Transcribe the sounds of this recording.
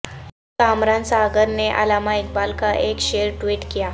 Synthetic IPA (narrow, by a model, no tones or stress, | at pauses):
kamɾansaɡəɾneʔa̰lamaik̚balkaʔekɕeɾʈʋiːʈkija